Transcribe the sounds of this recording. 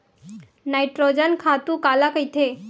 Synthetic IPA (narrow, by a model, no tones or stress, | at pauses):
najʈɾod͡ʑənkʰat̪ukalakəjt̪ʰe